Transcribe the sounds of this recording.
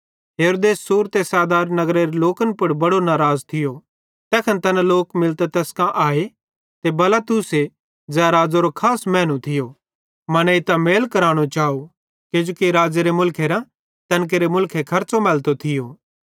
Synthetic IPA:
ɦeɾoːd̪eːsːuːɾt̪esaːd̪aːɾnɐɡɾeɾeloːkənpʊɽbɐɽonaːɾaːzt̪ʰɪjo | t̪ɛːkʰɐnt̪ɐnaloːkmɪlt̪et̪ɛːskãʔaːe | t̪ebɐlaːt̪uːse | d͡zɛːaɾaːd͡zoɾokʰaːsmɛ̃ːñũt̪ʰɪjo | mɐnɛɪt̪ameːlkɐɾaːɽ̃ot͡ʃaːu | ked͡ʒoːkiɾaːd͡zeɾemʊlkʰeɾã | t̪ɐnk̬eɾemʊlkʰekʰɐɾt͡somɛːlt̪ot̪ʰɪjoː

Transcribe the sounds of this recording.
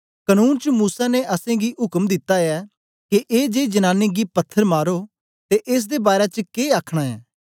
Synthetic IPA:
kɐnuːnt͡ʃəmuːsaneʔɐsẽɡiɦʊkəmd̪ɪt̪ːaɛː | keʔeːd͡ʒeːd͡ʒɐnãːneɡipɐt̪ʰːəɾmaːɾo | t̪eʔeːs̬d̪ebaːɾet͡ʃəkeːaːkʰɽ̃aɛ̰ː

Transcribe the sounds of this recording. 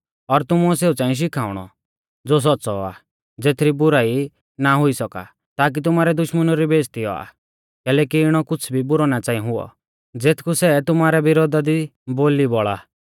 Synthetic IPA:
ɔɾt̪ʊmuɔseːut͡sãːĩʃ̬ɪkʰaːʊɽ̃ɔ̰ | d͡zoːs̬ɔtːsɔa̰ | d͡zeːt̪ʰɾibʊɾaːi | naɦʊisɔka̰ | t̪aːk̬it̪ʊmaːɾɛd̪ʊʃmənɔɾibeːst̪ʰiɔ̰a̰ | kɛːlɛkiɪɽ̃ɔkʊt͡sʰbʱibʊɾɔnat͡sãːĩɦʊɔ̰ | d͡zeːt̪ʰkusɛt̪ʊmaːɾɛbɪɾoːd̪ad̪iboːlibɔɭa

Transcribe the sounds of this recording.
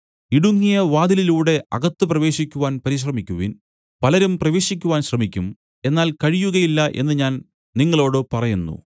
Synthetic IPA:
iɽuŋːijɐʋaːd̪ililuːɽe̞ʔɐɣɐt̪ːɨprɐʋe̞ːɕikʲːuʋaːnpɐɾiɕ̬rɐmikʲːuʋin | pɐlɐɾumprɐʋe̞ːɕikʲːuʋaːnɕrɐmikʲːum | e̞nːaːlkɐɻijuɣɐjilːɐʔe̞nːɨɲaːn | niŋːɐɭo̞ːɽɨpɐrɐjunːṵ

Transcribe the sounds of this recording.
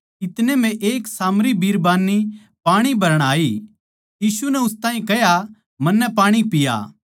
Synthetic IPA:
ɪt̪nemɛ̃ʔeːksaːmɾibʱiːɾbaːnːi | paːɽ̃ibʱɐɾəɽ̃aːi | jiːsunɛʊst̪aːɦĩkɛja | mɐnːɛpaːɽ̃ipɪja̰ː

